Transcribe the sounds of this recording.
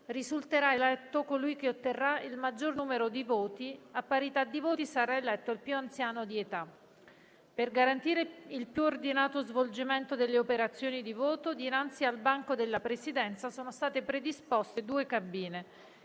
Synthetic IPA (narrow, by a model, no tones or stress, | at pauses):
rizult̪eɾaelɛt̪ːokolujkeot̪ːerːailmad͡ʒːornuːmeɾod̪ivoːt̪iapːaɾit̪ad̪ːivoːt̪isaɾaelɛt̪ːoilpjuant̪sjaːnod̪iet̪a | perɡaɾant̪iːɾeilpjuord̪inaːt̪ozvold͡ʒiment̪od̪elːeopeɾat̪sːjoːnid̪ivoːt̪od̪inant̪sialbaŋkod̪elːapɾesid̪ɛnt̪sasoːnost̪aːt̪epɾed̪ispɔst̪ed̪uːekabiːne